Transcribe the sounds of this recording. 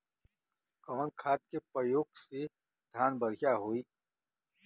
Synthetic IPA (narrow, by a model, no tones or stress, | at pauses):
kɔːnkʰaːʈt̪̚kepəjoːɡse | d̪ʱjaːnbəɽjaɦoːiː